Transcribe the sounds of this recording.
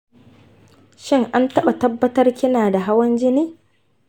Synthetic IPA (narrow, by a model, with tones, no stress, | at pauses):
ʃɪ˦ŋʔa˦ntɐ˦ɓa˨tɐ˦bːɐ˦tɐ˦rkʲɪ˦naː˨da˨ɦa˦wɐ˦nd͡ʒɪ˦niː˦